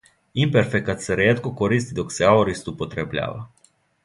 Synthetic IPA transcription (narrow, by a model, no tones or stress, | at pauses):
imperfekːat̪səɾeet̪̚kokoɾist̪id̪okseaoɾist̪upot̪ɾeblʲa̰va̰